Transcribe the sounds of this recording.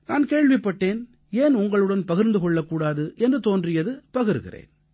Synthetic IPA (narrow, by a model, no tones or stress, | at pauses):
naːnkeːɻʋɪpːɐʈːeːn | eːnʊŋɡɐɭɯɽɐnpɐɣɪɾnd̪ɯkɔɭːɐkːuːɽaːðɯʔɛndrɯt̪oːndrɪjɐðɯpɐɣɪɾɣɪ̰rḛːn